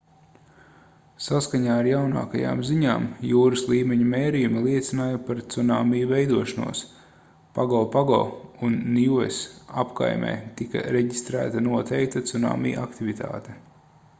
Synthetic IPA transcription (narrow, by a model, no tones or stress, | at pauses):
saskaɲaːaɾjawna̰ːkaja̰ːmziɲaːmjuːɾɐslˠiːmeɲumeːɾijumilˠiɛt̪sʲinaːjupaɾt̪sunaːmijuvɛjd̪uɔʃanṵɔs | paɡɔːpaɡɔ̰ːunːiuḛsa̰pka̰jmɛ̰ːt̪ika̰ɾeɟist̪ɾæ̰ːt̪anuɔt̪ʰɛjk̚t̪at̪suna̰ːmḭːʔakt̪ivit̪ʰa̰ːt̪e